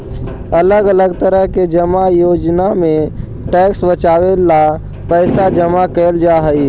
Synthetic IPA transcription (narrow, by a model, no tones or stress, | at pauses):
ɐləɡələɡt̪əɾəɦked͡ʒəmajoːd͡ʒnamẽ | ʈɛːksbət͡ʃaːwela | pɛːsad͡ʒəmakɛld͡ʒaːɦəi